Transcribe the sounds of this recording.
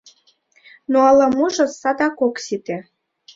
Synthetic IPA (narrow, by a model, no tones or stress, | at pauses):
noɑlɑmuʒɤ̆sɑd̪ɑkoksit̪e